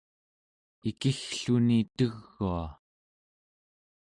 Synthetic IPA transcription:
ikixɬunit̪əɣːua

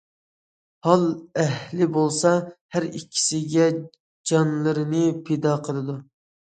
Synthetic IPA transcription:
hɑlˠæhlɪbolˠsɑhæɾikʲʰːi̥sɪɡʲɛ | d͡ʒɑnlˠɨɾɨnɨpʰed̪ɑqʰəlˠɨd̪u

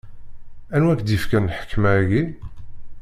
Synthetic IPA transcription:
ænwækd̪ifkænħə̥kʰːmæɡi

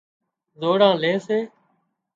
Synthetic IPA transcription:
zoːɽãːleːseː

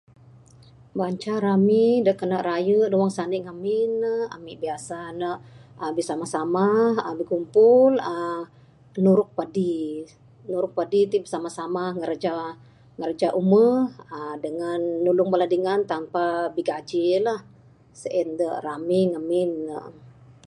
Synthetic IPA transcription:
baɲt͡ʃaɾamidəʔkənəʔrajədəwaŋsaniʔŋamɪnːəha̰miʔbiasanəʔəbisamahsamaəbəkumpʊlə | nuɾʊk̚padi | nuɾʊk̚padit̪ibəsamasamaŋəɾd͡ʒa | ŋərd͡ʒaʔuməədəŋanːulʊŋbaladiŋant̪ampabiɡad͡ʒilah | səʔindəʔramiŋamɪnːəʔ

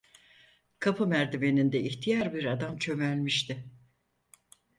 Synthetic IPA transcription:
kʰapʰɯmæɾd̪ime̞nind̪ɛiçt̪ʰijaɾbiɾad̪amt͡ʃʰø̞mælʲmiʃt̪ʰɪ

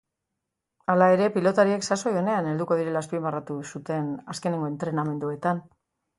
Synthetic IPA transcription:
alae̞ɾe̞pilo̞t̪aɾie̞ksaso̞jo̞ne̞ane̞ld̪uko̞ð̞iɾe̞laspimarat̪usut̪e̞naske̞ne̞ŋɡo̞e̞nt̪ɾe̞name̞nd̪ue̞t̪an

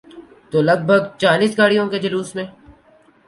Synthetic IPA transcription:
t̪oːlɐɡ̚bʱəɡt͡ʃaːliːsɡaːɽijõked͡ʒɐluːsmẽː

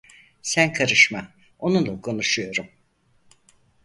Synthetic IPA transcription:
sænkʰaɾɯʃma | o̞nulˠakʰo̞nuʃujo̞ɾum

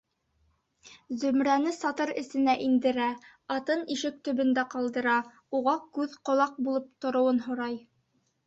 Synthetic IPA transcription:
zɵ̆mɾænɘsɑt̪ɤɾɘ̆sɘ̆næʔind̪ɘ̆ɾæ | ɑt̪ɤniʃɘk̚t̪ɵ̆βɵ̆nd̪æqɑlˠd̪ɤ̆ɾɑ | uʁɑkʉðqŏlˠɑq̚bulˠɤp̚t̪ŏɾŏwɤnɦŏɾɑj

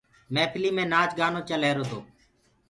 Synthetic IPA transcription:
mɛ̃ːpʰɪliːmẽːnaːt͡ʃɡaːnõːt͡ʃəleːɾoːt̪o̰ː

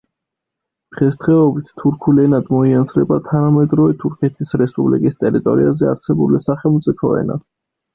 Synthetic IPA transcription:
d̪̥ʁɛsd̪ʁɛɔbit̪ʰt̪ʰːuɾkʰulɛnad̪mɔiansɾɛbat̪ʰanamɛd̪ɾɔvɛt̪ʰuɾkʰɛt̪ʰisɾɛspʼublḭkʼist̪ʼɛɾit̪ʼɔ̰ɾḭazɛa̰ɾsɛbulisaχɛlˠmt̪sʼipʰɔɛ̰na̰

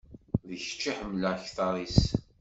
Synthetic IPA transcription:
ðəçə̥t͡ʃːiħəmlæçθɑɾˤis

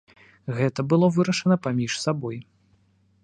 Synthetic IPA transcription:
ɣɛt̪ɐbɨlˠɔvɨɾɐʂɐnɐpamʲiʂsabɔj

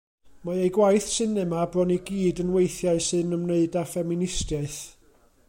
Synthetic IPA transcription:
maɨejɡwajθsɨnɛmabrɔniɡiːdənwejθjaɨsɨnəmneɨdafɛmɪnɪstjaɨθ

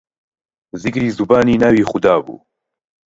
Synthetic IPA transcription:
zikɾiːzubaːniːnaːwiːxud̪aːbṵː

